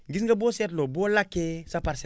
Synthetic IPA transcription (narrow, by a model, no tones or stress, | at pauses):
ɡisŋɡaboset̬lobolakːesapaɾse